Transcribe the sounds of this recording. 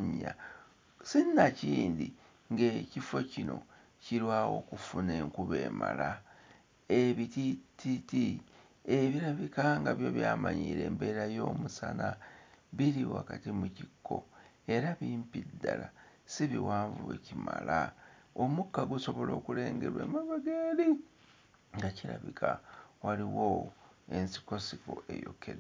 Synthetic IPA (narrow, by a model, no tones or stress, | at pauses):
ɲːa | sinːaciːnd̪i | ŋɡecifo̞cino̞̰ | ciɾwaːwo̞̰kufune̞ŋkuβeːmala | eβitititi | eβiɾaβikaŋɡaβjo̞βjaːmaɲiːɾe̞ːmbe̞ːɾajo̞ːmusanaβiɾiwakatimucikːo̞ | e̞ɾaβiːmpidːalasiβiwaːɱvuecimalaomukːaɡuso̞βo̞lo̞ːkule̞ːŋɡe̞ɾwe̞̰maβaɡeːɾi | ŋɡaciɾa̰βikʰawaɾiwo | e̞nsi̥ko̞sikoʔejokʰːeɾ